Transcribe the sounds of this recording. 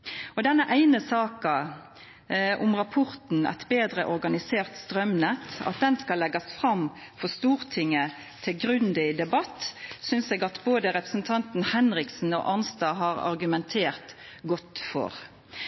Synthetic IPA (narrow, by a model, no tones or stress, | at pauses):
ɔd̪ɛnːəʔæɪnəsɑːkɑ | ʔʊmʁɑpʰɔɾt̪n̩æ̰t̪beːd̪ɾəʔɔɾɡɑnɪseːʁt̪st̪ɾœmnɛt̪ːɑ̰t̪̚d̪ɛnskɑlːɛɡɑsfʁɑmfɔst̪uːɾt̪ʰɪŋːə | t̪ʰɪlɡɾʉnd̪ɪd̪ɛbɑt̪ːsʏnseːɡɑt̪boːd̪əɾɛpɾəsn̩t̪ʰɑnt̪n̩hɛnɾɪksn̩ɔ̰ʔɑnst̪ɑːɦɑːɾɑ̰ɾɡʉmɛnt̪ʰeːʁt̪ɡɔt̪ːfɔ̰ɾ